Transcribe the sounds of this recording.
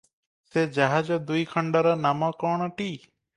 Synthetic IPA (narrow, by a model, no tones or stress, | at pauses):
sed͡ʒaɦad͡ʒɔd̪ujkʰəɳɖɔɾɔnamɔkɔɳ̃ʈiː